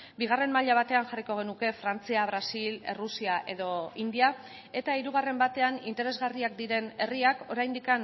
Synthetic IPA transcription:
biɣ̞are̞mmaʎaβ̞at̪e̞anxariko̞ɣ̞e̞nuke̞fɾant͡siaβ̞ɾasile̞̰rusiaʔe̞ðo̞ind̪ia | e̞t̪aiɾuɣ̞are̞mbat̪e̞anint̪e̞ɾe̞zɣariakd̪iɾe̞ne̞riako̞ɾajnd̪ikan

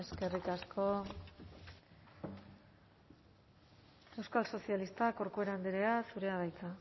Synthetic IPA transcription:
eske̞rikaskʰo̞ | e̞wskalso̞sialist̪ako̞ɾkue̞ɾand̪eɾeasuɾe̞aðajt͡s̪a

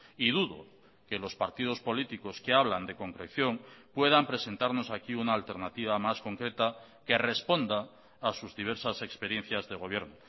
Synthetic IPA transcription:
iðuðo̞̰ | ke̞lo̞spaɾt̪ið̞o̞spo̞lit̪iko̞ske̞aβland̪e̞ko̞ŋkɾekθjo̞ŋpwe̞ðampɾe̞se̞nt̪aɾno̞sakiunaːlt̪e̞ɾnat̪iβ̞amasko̞ŋkɾe̞t̪a | ke̞re̞spo̞nd̪aː | suzðiβ̞e̞ɾsase̞kspe̞ɾje̞n̟θjazðe̞ɣ̞o̞β̞je̞ɾno

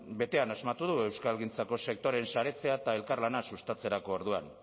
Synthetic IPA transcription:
be̞t̪e̞anazmat̪uðue̞wskalɣint͡sako̞se̞k̚t̪o̞ɾe̞nsaɾe̞t͡se̞at̪ae̞lkarlanasust̪at͡se̞ɾako̞ːɾðuan

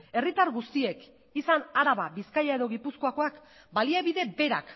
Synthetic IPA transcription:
e̞rit̪aɾɣust̪ie̞k | isanaɾaβaβiskajae̞ðo̞ɣipusko̞ako̞ak | baliaβiðe̞be̞ɾa̰k

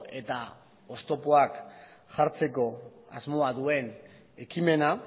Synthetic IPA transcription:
e̞t̪a̰ | o̞st̪o̞poakʝaɾt͡se̞ko̞a̰zmo̞aðue̞n | e̞kime̞na

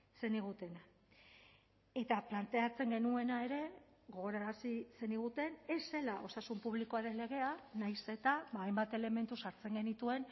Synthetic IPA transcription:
se̞niɣ̞ut̪e̞na | e̞t̪aplant̪e̞at͡se̞ŋɡe̞nue̞nae̞ɾe̞ | ɣo̞ɣoɾaɾasise̞niɣ̞ut̪e̞ne̞se̞laʔo̞sasumpuβliko̞aɾe̞nle̞ɣ̞e̞anajse̞t̪abaːjmbat̪e̞le̞me̞nt̪usaɾt͡se̞ŋɡe̞nit̪ue̞n

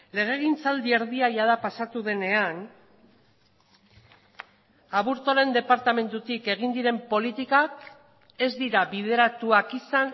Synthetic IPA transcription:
le̞ɣ̞e̞ɣint͡sald̪ieɾðiajaðapasat̪uðe̞ne̞an | aβuɾt̪oɾe̞nd̪e̞paɾt̪ame̞nt̪ut̪ike̞ɣ̞ind̪iɾe̞mpo̞lit̪ikak | e̞zd̪iɾaβiðe̞ɾat̪uakisan

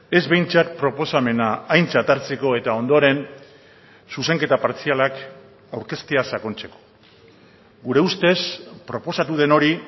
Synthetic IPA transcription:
e̞zβe̞jnt͡sat̪̚pɾo̞po̞same̞naːjnt͡sat̪aɾt͡seko̞e̞t̪ao̞nd̪o̞ɾe̞n | suse̞ŋke̞t̪apaɾt͡sialak | awɾke̞st̪easako̞nt͡se̞ko̞̥ | ɡuɾe̞ust̪e̞spɾo̞po̞sat̪uð̞e̞no̞ɾi

